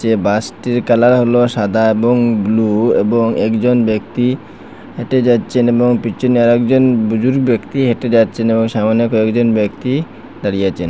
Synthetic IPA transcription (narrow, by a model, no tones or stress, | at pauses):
t͡ɕebasʈiɾkalaɾɦoloʃad̪ʱaeboŋbluḛboŋɛkd͡ʑonbek̚t̪i | heʈed͡ʑat̪ːt͡ɕʰeneboŋpitːt͡ɕʰoniaɾɛkd͡ʑonbud͡ʑuɾɡbekt̪iɦeʈed͡ʑatːt͡ɕʰeneboŋʃamanekoekd͡ʑonbekt̪i | d̪aɾijat͡ɕʰen